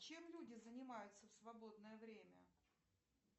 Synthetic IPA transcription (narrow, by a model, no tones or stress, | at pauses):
t͡ɕe̞mlʲudʲɪzənʲɪmajʊt̪səfsvɐbo̞d̪nəjəvɾʲemʲə̰